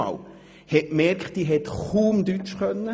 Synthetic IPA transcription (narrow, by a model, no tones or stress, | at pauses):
ɑ̰l | hɛmɛrkχtd̥iːɦɛt̪χuːmd̪yt͡ʃχœnːə